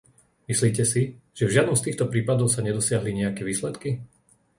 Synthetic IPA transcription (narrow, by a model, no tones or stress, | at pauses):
misliːcɛsiʒ̥ɛvʒɪad̪nɔmst̪iːxt̪ɔpɾiːpad̪ɔʊsaɲɛd̪ɔsɪaɦliɲɛjakɛʋiːslɛt̪ki